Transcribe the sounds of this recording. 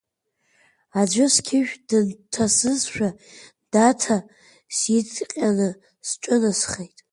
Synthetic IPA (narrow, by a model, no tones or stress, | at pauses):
ad͡ʒʷʊskʲʰɪʒᶣdɨntʰasɨzʃᶣa | d̥atʰa | sit͡sʼqʲʼanɨ | st͡ʃʷʼʊnɨsχejtʼ